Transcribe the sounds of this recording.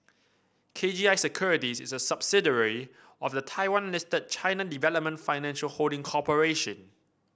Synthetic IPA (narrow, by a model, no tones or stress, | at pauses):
kʰed͡ʒiaɪsəkʰjuɹitisɪsəsabsɪdəɹi | ɔfdətʰaɪwãnlɪstəd̚t͡ʃʰãɪnədivɛləp̚mə̃ntfaɪnɛ̃nʃəlholdɪ̃ŋkʰɔpəɹeʃə̃n